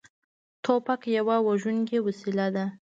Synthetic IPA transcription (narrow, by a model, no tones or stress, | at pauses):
t̪ʰopakjawawaʒunkewasilad̪a